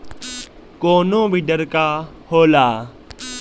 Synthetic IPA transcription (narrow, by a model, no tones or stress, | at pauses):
koːnõːbiɖəɾkaː | hoːlaː